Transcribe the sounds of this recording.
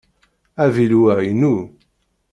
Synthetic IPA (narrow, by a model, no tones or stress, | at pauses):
ævilwæjnu